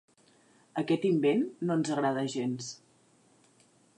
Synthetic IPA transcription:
əkɛt̪imbenːonzəɣɾað̞əʒens

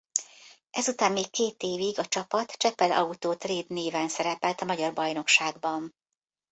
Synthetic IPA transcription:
ʔɛzut̪aːmːeːkkːeːt̪eːviɡɒt͡ʃɒpɒt̪t͡ʃɛpɛlɒ̰ut̪oːt̪reːd̪neːvɛnsɛɾɛpɛlt̪ɒmɒɟɒrbɒjno̞kʃaːɡbɒn

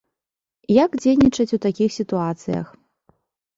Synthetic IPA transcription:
jakd͡zʲejnʲit͡ʂɐt͡sʲut̪akʲixsʲit̪uat̪sɨ̰jɐ̰x

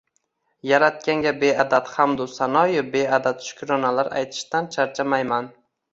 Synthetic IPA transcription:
jaɾat̪̚kʲaŋɡʲabead̪at̪hamd̪ʊsanɒjɪbe̞ad̪at̪ʃʊ̥kʲɾɒnalaɾa̰jt̪ʰɪ̥ʃt̪ant͡ʃʰaɾt͡ʃʰamajman

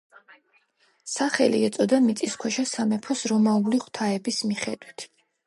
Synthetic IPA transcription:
saχɛ̰lḭɛt̪sʼɔd̪amit̪sʼiskʰwɛʃasamɛpʰɔsɾɔmauliχwt̪ʰaɛbismiχɛd̪wit̪ʰ

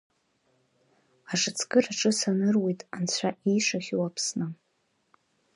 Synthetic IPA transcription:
aʂɨt͡sʰkɨraʈ͡ʂʼɨsanɨrwe̞jtʼant͡ɕʷʰaʔijʂaχʲwapʰsnɨ

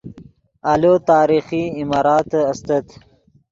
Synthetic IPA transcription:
alot̪ɑːɾiχiːmɑːɾɑːt̪ɐst̪ət̪

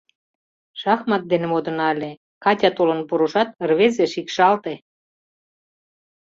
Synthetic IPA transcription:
ʃɑxmɑt̪̚d̪enĕmod̪ə̆nɑlʲe | kɑtʲɑt̪olə̆npuɾuʃɑt̪̚ərβezeʃikʃɑlt̪e

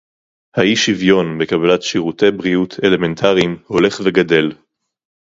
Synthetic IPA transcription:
haiʃivjo̞nbekabalatʃiʁute̞bʁijut̪ʰe̞le̞me̞ntʰaʁimho̞le̞χveɡade̞l

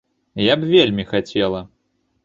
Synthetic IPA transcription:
jabvʲelʲmʲixat͡sʲɛlˠɐ

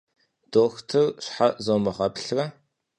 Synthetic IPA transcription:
d̥oːxtʰɨrɕħazoːmɐʁɐpɬrɐ

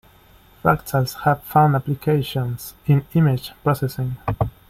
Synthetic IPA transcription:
faktʰəlshæv̥fãʊ̃ndaplikʰeɪʃɔ̃nsĩnimɪd͡ʒpɹɔsɛsɪ̃ŋ

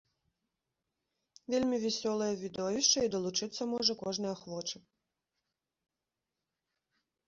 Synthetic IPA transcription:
vʲelʲmʲivʲɛsʲɔlˠɐjɐvʲid̪ɔvʲiʂt͡ʂɐid̪ɐlˠut͡ʂɨt̪sːɐmɔʐɐkɔʐnɐjɐxvɔt͡ʂɨ

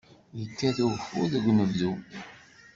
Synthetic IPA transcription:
jəkːæθufʊɾðəɡʷnəvðu

